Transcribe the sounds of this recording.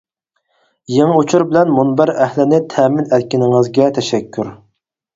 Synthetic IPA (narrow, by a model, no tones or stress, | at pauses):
jeŋɨut͡ʃʰuɾbɪlɛnmunbæɾɛhlɪnɪt̪ʰɛːmɪnɛt̪kʲinɪŋɨzɡʲɛt̪ʰɛʃɛkʲʰːyɾ